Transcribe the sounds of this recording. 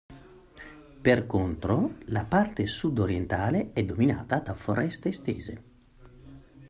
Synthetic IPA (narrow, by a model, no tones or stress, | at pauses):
perkont̪ɾolapart̪esud̪oɾjent̪aːleɛd̪ːomina̰ːt̪ad̪afoɾɛst̪est̪eːzḛ